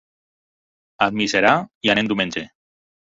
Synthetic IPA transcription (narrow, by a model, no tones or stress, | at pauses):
ad̪miseɾaianend̪umẽnʲd͡ʒe